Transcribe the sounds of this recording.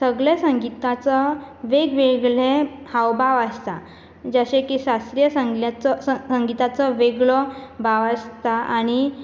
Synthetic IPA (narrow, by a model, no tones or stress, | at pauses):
səɡɭesəŋɡit̪at͡səʋeɡʋeɡɭehawbʱaʋast̪a̰ | d͡zaɕẽkiɕast̪ɾijəsəŋɡlat͡sɔsəŋɡit̪at͡sɔʋeɡɭɔbʱaʋast̪aaɽ̃i